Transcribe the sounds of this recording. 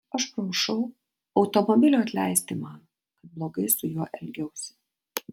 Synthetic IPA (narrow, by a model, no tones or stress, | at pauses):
ɐʃpɾɐʃɐʊ | ɐʊt̪omɔbʲɪlʲuːɐt̪ʲlʲæɪsʲt̪ʲɪmɑn | kɐt̪̚blˠoːɡɐɪsʊjuɔʔɛlʲɡʲɛʊsʲɪ̥